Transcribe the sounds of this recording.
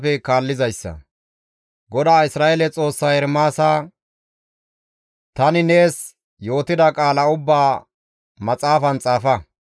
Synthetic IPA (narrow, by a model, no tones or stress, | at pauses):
fɛkaːlːɪzɐjsːɐ̰ | ɡɔd̪aːɪsɾaːʔeːlɛt͡sʼo̞ːsːaːjɛɾmaːsaː | t̪ɐnɪne̞ːs | jo̞ːt̪ɪd̪ɐkʼaːlɐʊbːaː | mɐt͡sʼaːfɐnt͡sʼaːfɐ